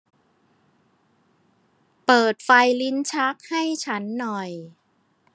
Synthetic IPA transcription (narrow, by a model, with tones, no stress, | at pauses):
pɤː˨˩t̪̚fa˧jli˦˥nt͡ɕʰa˦˥k̚ha˥˩jt͡ɕʰa˦˥nːɔ˨˩j